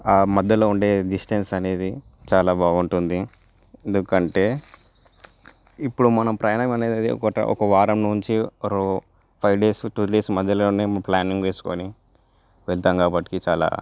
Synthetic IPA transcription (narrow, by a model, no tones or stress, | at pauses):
aːmɐd̪ːɐloːuɳɖe̞ːɖisʈensɐne̞ːd̪it͡ʃaːlaːbaːɡuɳʈund̪i | end̪ukɐɳʈe̞ː | ipːuɽumɐnɐmpɾɐjɳɐmɐneːd̪ɐd̪iɔ̰kɐʈɐ̰ʔɔ̰kɐʋaːɾɐmnuɲt͡ʃiɾo | pʰɐjʋɖe̞ːsʈuːɖe̞ːsmɐd̪ːɐloːneːplaːniŋɡʋe̞ːsu̥ko̰ːni | ʋɛɭt̪aːŋkaːbɐʈːi̥kit͡ʃaːla̰ː